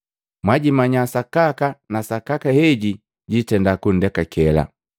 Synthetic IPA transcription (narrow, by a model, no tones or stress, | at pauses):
mwaɟimaɲasakakanasakakahɛɟi | ɟitɛndakun̩dɛkakɛla̰